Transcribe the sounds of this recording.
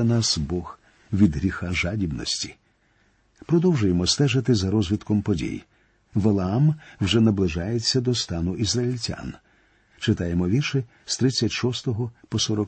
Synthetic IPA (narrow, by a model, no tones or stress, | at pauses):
ɐnasbɔɣ | ʋʲid̪ɦɾʲixaʒadʲibnɔ̰sʲtʲi̥ | pɾɔd̪ɔwʒʊjemɔst̪ɛʒɐt̪ɪzɐɾɔzʲʋʲit̪kɔmpɔdʲḭj | ʋɐlˠɐamwʒɛnɐblˠɪʒɑjet͡sʲːɐd̪ɔst̪ɑnʊʔizrɐilʲtʲa̰n | t͡ʃɪt̪ɑjemɔʋʲirʃɪ | st̪ɾɪt͡sʲːɐtʲʃɔst̪ɔɦɔpɔsɔɾɔk